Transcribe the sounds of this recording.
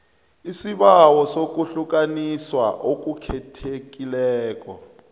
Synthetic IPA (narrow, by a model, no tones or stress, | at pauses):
isiβawɔsok̬uɬuk̬aniswa̰ʔok̬ʼukʰɛtʰekilɛːk̬ʼɔ̰